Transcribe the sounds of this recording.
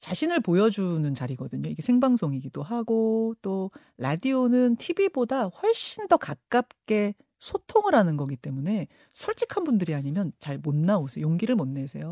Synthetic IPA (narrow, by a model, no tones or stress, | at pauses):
t͡ɕaɕʰinɯɭpojʌd͡ʑunɯnt͡ɕaɾiɡʌdɯɲoiɡe̞sʰeŋbaŋsʰoŋiɡidoɦaɡot͈o | ɾadionɯntʰibibodaɸwʌɭɕ͈indʌkak̚k͈ap̚k͈e̞ | sʰotʰoŋiɾanɯnɡʌɡit͈e̞mune̞ | sʰuɭt͡ɕ͈ikʰanbundɯɾiaɲimjʌnt͡ɕaɭmonːaosʰejoŋɡiɾɯɭmonːe̞sʰe̞jo